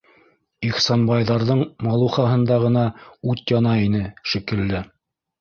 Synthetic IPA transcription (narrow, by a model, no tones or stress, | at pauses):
iχsɑnbɑjðɑɾðɤɴmɑlˠuχɑɦɤ̆nd̪ɑʁɤ̆nɑʉt̪jɑnɑinɘʃikɘ̆lːɘ